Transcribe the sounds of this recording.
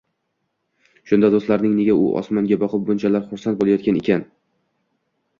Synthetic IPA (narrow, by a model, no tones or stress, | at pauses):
ʃʊnd̪ad̪ost̪laɾnɪŋne̞ɡʲaʊ̰ʔɒ̰smaŋɡʲabɒqʰɨp̚bʊnt͡ʃʰalaɾχʊɾsant̪̚bolˠajɒt̪kʲane̞̰kʲʰan